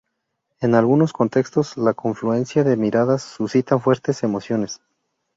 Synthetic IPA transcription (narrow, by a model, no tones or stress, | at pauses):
e̞nalɣuno̞sko̞nt̪e̞kst̪o̞zlako̞ɱflue̞nsjaðe̞miɾaðasːusit̪aɱfwe̞ɾt̪e̞se̞mo̞sjo̞ne̞s